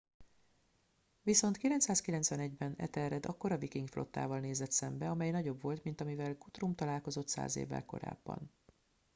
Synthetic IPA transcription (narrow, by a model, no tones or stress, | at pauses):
viso̞nt̪kilɛnt̪saːskilɛnt̪sʋɛnɛɟbɛnɛ̰t̪ɛrɛd̪ɒkːo̞ɾɒvikiŋɡflʔo̞̰t̪ːa̰ːvɒlneːzɛt̪sɛmbɛɒmɛjnɒɟo̞bvo̞lt̪mint̪ɒmivɛlɡut̪rumt̪ɒlaːlko̞zo̞t̪sa̰ːzḛːvːɛ̰lko̞̰ɾa̰ːbːɒ̰n